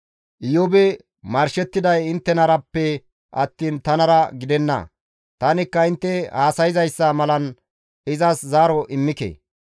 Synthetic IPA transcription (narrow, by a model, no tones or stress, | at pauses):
ʔɪjɔbɛ | mɐɾʃɛt̪ːɪd̪ɐjɪnt̪ːɛnɐɾɐpːɛ | ʔɐ̰t̪ːiːnt̪ɐnɐɾɐɡɪd̪ɛnːɐ̰ | t̪ɐnɪkːɐɪnt̪ːɛhaːsɐjɪzɐjsːɐmɐlɐn | ɪzɐszaːɾɔʔɪmːɪkḛː